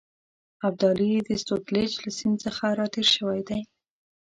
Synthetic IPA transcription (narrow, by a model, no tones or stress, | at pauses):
ab̚d̪ɑlid̪əst̪ot̪let͡ʃlasind̪t͡səxaɾɑt̪eɾʃəwajd̪aj